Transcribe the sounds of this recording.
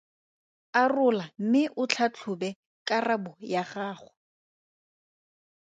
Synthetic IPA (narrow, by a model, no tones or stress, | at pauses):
arʊlam̩mɪʔʊt͡ɬʰat͡ɬʰʊbɛ | kʼarabʊjaχaːχʊ